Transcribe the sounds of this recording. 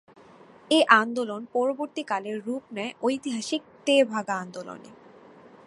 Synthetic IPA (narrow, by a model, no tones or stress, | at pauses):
eʔand̪olonpɔɾoboɾt̪ikaleɾːupnɛeʔojt̪iɦaʃik̚t̪ebʱaɡaand̪olo̰nḛ